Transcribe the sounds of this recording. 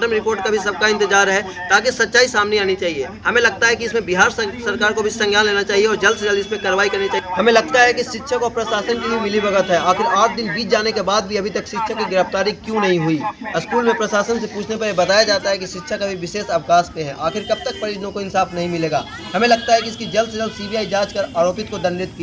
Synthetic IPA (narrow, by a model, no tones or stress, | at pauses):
ɾəmɾɪpoːɾʈ̚kabʱis̬ɐb̚kaɪ̃nt̪ɪd͡ʒaːɾɦɛ | t̪aːkisɐtːt͡ʃaːisaːmneaːnit͡ʃaːɦieːɦɐmẽlɐɡ̚t̪aɦɛkiɪsmẽbɪɦaːɾsɐɾkaːɾkobʱisɐ̃ŋɡʱjaːnleːnat͡ʃaːɦieɔːɾd͡ʒɐlsd͡ʒɐld̪ɪsmẽkaːɾʋaːikɐɾnit͡ʃaːɦɐmẽlɐɡ̚t̪aɦɛkiʃɪt̪ːʃʰəkɔːɾpɾɐʃaːsənkibʱimɪlibɐɡət̪ɦɛʔaːxɪɾaːʈʰd̪ɪnbiːt͡ʃʰd͡ʒaːnekebaːd̪̚bʱiɐbʱit̪ɐkʃɪt̪ːʃʰəkːiɡɪɾəft̪aːɾikjũnɐɦĩɦuiɪskuːlmẽpɾɐsaːsənsepuːt͡ʃʰnepɐɾjebɐt̪aːjad͡ʒaːt̪aɦɛkiʃɪt̪ːʃʰəkɐbʱiʋɪʃeːsɐʋkaːspẽɦɛ̃ʔaːxɪɾkɐb̚t̪ək̚pɐɾɪd͡ʒənõkoɪnsaːfnɐɦĩmɪleːɡa̰ː | ɦɐmẽlɐɡ̚t̪aɦɛkiɪskid͡ʒɐlsd͡ʒəlsiːbʱijaːid͡ʒaːt͡ʃkɐɾaːɾoːpɪt̪̚kod̪ɐ̃nɾɪt̪ki